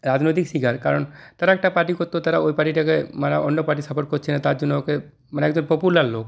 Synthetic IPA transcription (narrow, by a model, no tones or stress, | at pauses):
ɾad͡ʑnojt̪̬ikʃiɡaɾkaɾont̪aɾaɛk̚ʈapaʈikoɾt̪ːeot̪aɾaojpaʈiʈakemanaonːopaʈ̬isapʰoɾ̚koɾt͡ɕʰenːat̪aɾd͡ʑonːoke | maneɛɡd͡ʑonpopulaɾlok